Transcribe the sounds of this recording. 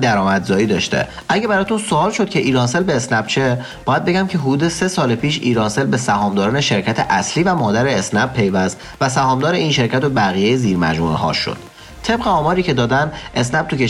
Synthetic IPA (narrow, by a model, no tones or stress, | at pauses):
d̪æɾɒːmæd̪zɒːiːd̪ɒ̰ːʃt̪ḛ | ʔæɟebæɾɒːt̪unsoɒːlʃo̞d̪̥̚cʰe̞ʔiːɾɒːnse̞lbe̞ːsnæb̥t͡ʃʰebɒːjæd̪̚be̞ɟæmcʰe̞ɦud̪uːd̪e̞se̞sɒːlepʰiːʃḭːɾɒːnse̞lbe̞sæhɒːmd̪ɒːɾɒːneʃe̞ɾcʰæt̪ʰeʔæsliːvæmɒːd̪æɾeːsnæb̚pʰːe̞jvæst̪ | væsæhɒːmd̪ɒːɾeiːnʃe̞ɾcʰæt̪obæɣijejeziːɾmæ̰d͡ʒmṵɦɒ̰ːʃo̰d̪̥ | t̪ʰe̞bɣeɒːmɒːɾiːcʰe̞d̪ɒːd̪ænd̪ʔe̞snæb̥̚t̪ʰucʰe